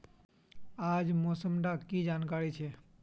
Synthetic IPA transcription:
aːd͡ʒmoːsəmɖakid͡ʒaːnkaːɾit͡ʃʰe

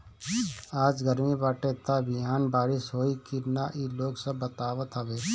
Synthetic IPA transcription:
aːd͡ʒɡəɾmibaːʈet̪abɪaːnbaːɾɪʃɦoːikinaʔiloːɡsɐbːət̪aːʋət̪ɦɐʋeː

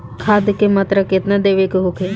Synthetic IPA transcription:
kʰaːd̪kemat̪ɾəkɪt̪nad̪eːʋekɦokʰe

